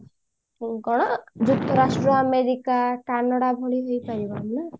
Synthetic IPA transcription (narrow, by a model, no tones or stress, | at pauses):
ɡɔɽ̃ɔd͡ʒut̪ʰːɔɾasʈɾɔameɾikakanaɽabʱoɭiɦojpaɾibana